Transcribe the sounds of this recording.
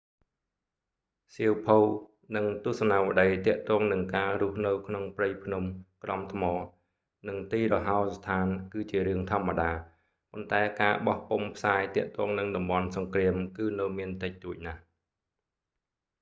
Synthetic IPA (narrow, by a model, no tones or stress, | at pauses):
siəwpʰuw | nɨŋt̪ŭəhsɑnaːʋə̆ɗəjt̪ɛ̆əʔt̪ɔːŋnɨŋkaːɾʊ̆əhnɨwkʰnoŋprəjpʰnumkrɑmt̪ʰmɔː | nɨŋt̪iːrɔɦaɔst̪ʰaːnkɨːt͡ɕiəɾɨəŋt̪ʰŏəmːaɗaː | pont̪aɛkaːɓɑhpumpʰsaːt̪ɛ̆əʔt̪ɔːŋnɨŋɗɑmɓɑnsɑŋkriəmkɨːnɨwmiənt̪ɨc̚t̪uəc̚nah